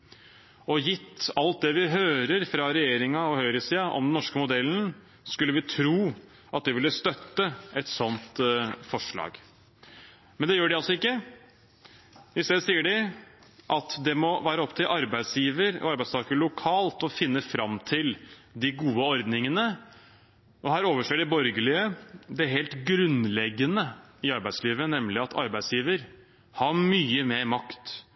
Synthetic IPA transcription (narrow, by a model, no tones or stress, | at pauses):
ɔjɪt̪ːɑlt̪̚d̪ɛʋɪɦøːɾəɾfɾɑɾɛjeːɾɪŋɑɔhœʏɾɪsiːɑʔɔ̰md̪nɔʂkəmʊd̪ɛlːn̩ | skʉlːəʋɪt̪ʰɾuː | ʔɑt̪̚d̪ɪʋɪlːəst̪œt̪ːəɛt̪sɔnt̪fɔʂɭɑ̰ːɡ | mɛnd̪ɛjøːɖɪɑlsɔɪkːə | ʋɪsæsiːəɖɪ | ʔɑt̪d̪ɛmɔʋæːɾəɔpt̪ʰɪlʔɑɾbæɪd̪sjiːʋəɾɔ̰ɑɾbæɪst̪ʰɑːkəɭʊkʰɑːlt̪ɔfɪnːəfɾɑmt̪ʰɪld̪ɪɡuːəɔɾd̪nɪŋənə | ʔɔhæːɾoːʋəʂeːɖɛbɔɾɡəlɪəd̪ɛɦeːlt̪ɡɾʉnlɛɡːənəɪɑɾbæɪd̪sliːʋənɛmlɪɑt̪ʰɑ̰ɾbæɪsjiːʋəɾ | hɑmyːəmeːɾmɑkt̪